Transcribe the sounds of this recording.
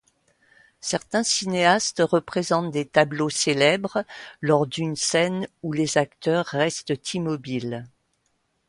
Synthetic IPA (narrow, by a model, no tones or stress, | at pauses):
sɛʁt̪ɛ̃sineast̪ʁəpχezɑ̃t̪̚d̪et̪abloselɛbʁlɔʁd̪ynsɛnulezakt̪œʁːɛst̪t̪ʰimɔbil